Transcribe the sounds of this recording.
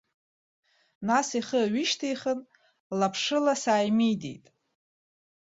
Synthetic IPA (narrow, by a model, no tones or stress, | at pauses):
nasiχəɥɪʃtʰejχən | lapʰʂɨlasaːjmijdḛjtʼ